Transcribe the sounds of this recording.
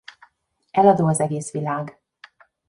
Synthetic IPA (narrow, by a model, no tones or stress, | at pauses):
ɛlɒd̪oːɒzɛɡeːsʋilaːɡ